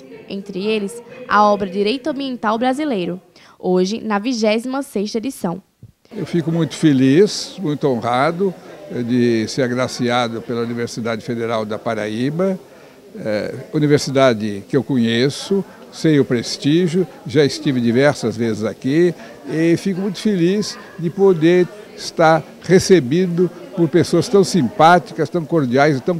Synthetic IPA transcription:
ḛ̃nt̪ɾɪelɪsa̰ɔbɾɐd͡ʒiɾejt̪ɐɐ̃mbiẽnt̪awbɾazilejɾʊ | oʒɪnɐviʒɛzimɐseʃt̪ɐed͡ʒisɐ̃w̃ | ewfikʊmũj̃t̪ʊ̥felismũj̃t̪ʊõhad̪ʊd͡ʒɪseɾaɡɾasiad̪ʊpelɐuniveɾsid̪ad͡ʒɪfed̪eɾawd̪ɐpaɾa̰ibɐ | ɛuniveɾsid̪ad͡ʒɪkɪewkõɲesʊ | sejʊpɾest̪iʒjʊ | ʒaɪst͡ʃ̪ivɪd̪ivɛɾsɐzvezɪzaki | ɪfikʊmũj̃t̪ʊ̥feliz | d̪ɪpod̪eɾɪst̪aɾ | ʁesebĩd̪ʊpoɾpesoɐst̪ɐ̃w̃sĩmpat̪i̥kɐst̪ɐ̃w̃koɾd͡ʒiajzɪt̪ɐ̃w̃

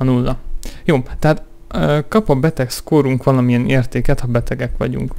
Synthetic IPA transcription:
ɒnulːɒjoːt̪ɛɦaːt̪ː | kɒpɒbɛt̪ɛkskoːɾuŋkʋɒlɒmijɛneːrt̪eːkɛt̪hɒbɛt̪ɛɡɛkʋɒ̰ɟṵŋk

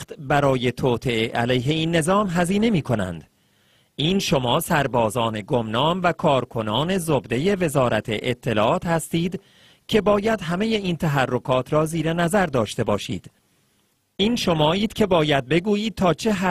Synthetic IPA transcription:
t̪bæɾɒːje̞t̪ʰɒːt̪ʰe̞eʔæ̰læjɦe̞iːnːe̞zɒːmɦæziːne̞miːkʰo̞næ̰nd̪̥ | ʔiːnʃo̞mɒːsæɾbɒːzɒːne̞ɡomnɒːmvækʰɒːɾkʰo̞nɒːne̞zobd̪e̞je̞ve̞zɒːɾæt̪ʰḛʔet̪ʰːe̞lɒ̰ːʔɒːt̪hæst̪iːd̪ | cʰe̞bɒːjæd̪ɦæme̞je̞iːnt̪ʰæɦærːo̞kʰɒːt̪ʰɾɒːziːɾe̞næzæɾd̪ɒːʃt̪e̞bɒːʃḭːd̪̥ | ʔiːnʃo̞mɒːiːd̪̥cʰe̞bɒːjæd̪̚be̞ɡuːjiːd̪̥̚t̪ʰɒːt͡ʃʰe̞ɦæ

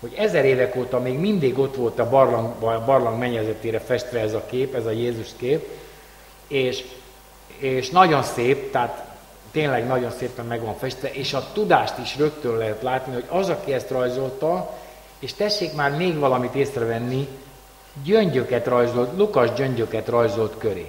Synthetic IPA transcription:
ho̞ɟɛzɛɾeːvɛkoːt̪ɒmeːɡmind̪iɡo̞t̪ʋo̞lt̪ɒbɒrlɒŋɡbɒbɒrlɒŋɡmɛɲɛzɛt̪eːɾɛfɛʃt̪ʋɛɛzɒkeːpɛzɒjeːzuʃkeːp | eːʃ | eːʃnɒɟo̞nseːp̚t̪ɛɦat̪ː | eːnlɛɡnɒɟo̞nseːpɛmːɛɡʋɒɱfɛʃt̪ʋɛʔeːʃɒt̪ud̪aːʃt̪iʃrø̞kt̪ølɛɦɛt̪laːt̪niɦo̞ɟɒzɒkiɛst̪rɒjzo̞lt̪ɒ | eːʃt̪ɛʃːeːkmaːrmeːɡʋɒlɒmit̪eːsrɛvɛnːi | ɟøɲɟøkɛt̪rɒjzo̞lt̪lukɒʒɟøɲɟø̞kɛt̪rɒjzo̞lt̪kø̞ɾḛː

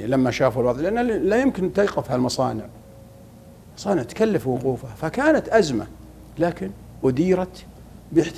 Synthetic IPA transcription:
lamːaʃaːfulbɑɾðˤlɪʔanːalajɪmkɪnt̪ajqɪfhalmɑsˤɑ̰ːnɪʕ | mɑsˤɑːnɪʕt̪kalːafwʊquːfafakaːnat̪ʔazma̰ | laːkɪn | wʊd̪iːɾat̪ | bɪħt̪

